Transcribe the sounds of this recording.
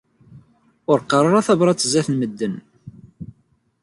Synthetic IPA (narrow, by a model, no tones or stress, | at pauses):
ʊɾqɑrˤɑɾˤɑθɑbɾˤɑt͡sːəzæθnməd̪ːən